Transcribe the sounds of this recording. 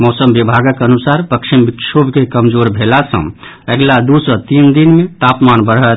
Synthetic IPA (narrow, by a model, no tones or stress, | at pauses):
mɔsəmbibʱaɡəkənusaɾpəkʃʰimbikʃʰobʱkekəmd͡ʒoɾbʱelasə̰̃ | əɡlad̪usət̪ind̪inmet̪apmanbəɾɦət̪